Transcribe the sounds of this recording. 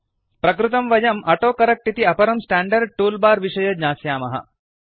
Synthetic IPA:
pɾɐkɾut̪ɐmʋɐjɐmʔɐʈoːkɐɾɐk̚ʈit̪iɐpɐɾɐmsʈaːɳɖɐɾɖ̚ʈuːlbaːɾʋiʂɐjɐd̪ɲaːsjaːmɐɦɐ̰

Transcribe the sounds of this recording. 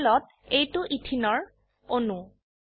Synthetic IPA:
lɔt̚ | ejtʊʔitʰinɔɹ | onu

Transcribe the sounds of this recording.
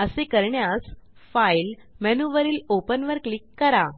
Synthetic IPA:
əsekəɾɳjas | fail | mɛnuʋəɾiːlopənʋəɾklikːəɾa

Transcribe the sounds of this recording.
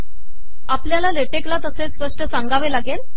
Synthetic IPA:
apljalaleʈeklat̪əsespəʂʈəsãŋɡaʋelaɡel

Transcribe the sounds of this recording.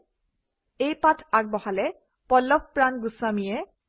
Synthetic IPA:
ejpatʰak̚bɔhalɛ | pɔlːɔk̚ʰpɹanɡusamijɛ

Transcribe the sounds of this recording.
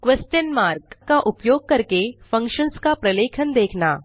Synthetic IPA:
kʋesʈənmaːɾkkaʔʊpjoːɡ̚kɐɾkefɐ̃ŋkʃənskapɾɐleːkʰənd̪eːkʰnaː

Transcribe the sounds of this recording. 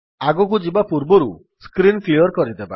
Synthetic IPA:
aɡɔk̬ud͡ʒibapuɾbɔɾu | skɾinkʰliɔɾkɔɾid̪eba̰

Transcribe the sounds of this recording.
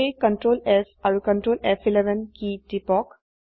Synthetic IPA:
ekə̃ɳʈɾoːlefajukə̃ɳʈɾoːlefilɛʋənkiːʈipɔːk

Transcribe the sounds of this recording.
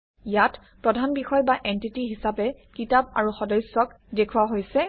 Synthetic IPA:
jat | pɹɔdʱanbixɔjbaʔentitiɦisapɛkitab̚a̰ɹuxɔdɔjsːɔk | dekʰuwaɦojsɛ

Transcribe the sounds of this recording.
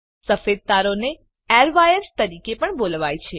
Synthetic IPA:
səfed̪̚d̪aɾone | ɛɾʋajəɾst̪əɾikepəɳbolʋajt͡ʃʰe

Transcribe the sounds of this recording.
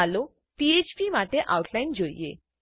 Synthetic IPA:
alo | piet͡ɕpimaʈeʔa̰uʈʰlaind͡ʒoḭḛ

